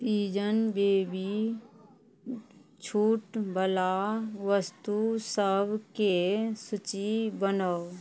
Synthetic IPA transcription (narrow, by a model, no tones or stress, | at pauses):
t̪iːd͡ʒənbeːbi | t͡ʃʰuːʈbʱəlaʋəst̪usəbʱkesʊt͡ʃibənə